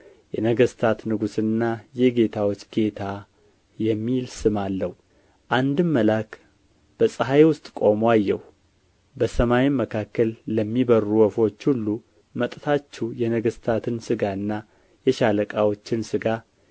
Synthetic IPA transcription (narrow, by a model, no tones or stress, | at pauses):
jɛnəɡəst̪ʰat̪nɨɡusɨnːajɛɡe̞t̪ʰawot͡ʃːɡe̞t̪ʰa | jɛmːilsɨmalːəhu | ʔand̪ɨmːəlakʰ | b̥əsʼəɦajewʊst̪ʼkʼo̞moajːɛh | bəsəmajiməkʰakːəlːəmːibəruwɔfo̞t͡ʃːhulːu | mət̪ʼt̪ʰat͡ʃːɛjɛnəɡəst̪ʰat̪ʰɨnsɨɡaɨnːa | jɛʃaləkʼawo̞t͡ʃːɪnsɨɡa